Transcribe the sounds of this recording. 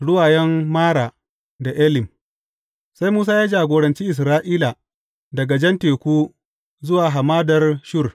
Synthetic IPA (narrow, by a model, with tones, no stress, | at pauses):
ɽʊ˦waː˨jɛ˦mːaː˦ɽaː˨ | da˨ʔɛ˦lɪ˨m | sa˦jmuː˦s̬aː˦jaː˦d͡ʒaː˨ɡʷoː˨ɾɐ˨nt͡ʃiː˦ʔɪ˨s̬ɾaː˦ʔiː˦la˨ | dɐ˨ɡa˨d͡ʒɛ˦nteː˨kʷuː˦ | zʊ˦waː˨ɦa˨maː˦dɐ˨rʃʊ˦r